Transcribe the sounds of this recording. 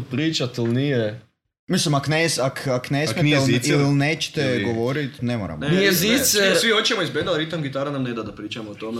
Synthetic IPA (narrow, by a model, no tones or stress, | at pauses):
pɾiːt͡ʃat̪ilnije | mislimaknesakaknesmeɛlillneːt͡ʃe̥t̪eɡoʋo̞ɾit̪nemo̰ːɾa̰mnijezisɛɾsʋiot͡ʃemoizbed̪alɾit̪amɡit̪aɾanamned̪ad̪apɾiːt͡ʃamoot̪ome